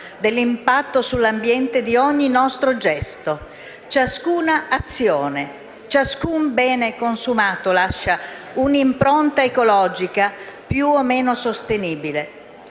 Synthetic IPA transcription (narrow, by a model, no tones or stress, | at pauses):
d̪elːimpat̪ːosulːambjɛnt̪ed̪iɔɲːinɔst̪ɾod͡ʒɛst̪o | t͡ʃaskuːnaːt̪sːjoːne | t͡ʃaskumbɛːnekonsumaːt̪olaʃːa | unimpɾont̪aekolɔːd͡ʒikapjuomːeːnosost̪eniːbile